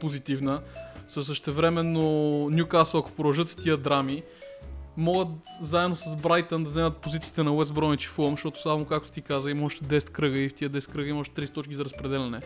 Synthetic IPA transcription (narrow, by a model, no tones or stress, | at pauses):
pozit̪ivnəsəs̬əʃt̪ɛvɾɛmɛnːonʲjukasəlɐko̥pɾoɐʒɤt̪t̪iəd̪ɾami | mɔɡət̪zaɛd̪nosɐzbɾajt̪ənd̪ɐzɛmət̪̚pozit̪sit̪ɛnɐwɛsbɾɔnit͡ʃi̥fulˠmʃt̪ɔt̪o̥slˠavmokak̚t̪o̥t̪ikazəimɔʃt̪ɛd̪ɛsɛ̥t̪̚kɾɤɡəift̪iəd̪ɛsɛt̪̚kɾɤɡəimɔʃt̪ɛt̪ɾist̪ɔt͡ʃkʲizɐɾəspɾɛd̪ɛlʲɐnɛ